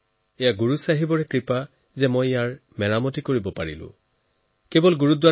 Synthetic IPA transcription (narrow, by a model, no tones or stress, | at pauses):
ejaɡuɹusaɦibɔɹɛkɹipa | zɛmɔjjaɹmɛɹamɔtikoɹibɔpaɹḭlʊ̰̃ | kebɔlɡuɹutdwa